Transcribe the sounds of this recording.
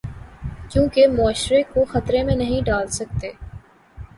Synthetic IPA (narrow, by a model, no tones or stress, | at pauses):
t͡ʃũːkemʊaːʃɾekoxət̪ɾemẽnɐɦĩɖaːlsək̚t̪eː